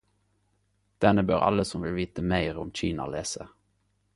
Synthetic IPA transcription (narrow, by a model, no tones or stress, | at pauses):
d̪̥ɛnəbøːʁɑ̰ləsɔmʋɪlʋiːt̪əmæɪʁɔmc͡çiːnɑ̰leːsə